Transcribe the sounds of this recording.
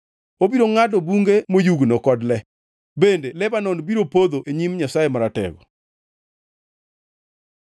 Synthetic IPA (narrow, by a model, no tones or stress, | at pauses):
obiɾoŋadɔbuŋɡemojuɡnokɔdlɛ | bendelɛbanɔnbiɾopod̪oʔeɲimɲasajemaɾatɛ̰ɡɔ̰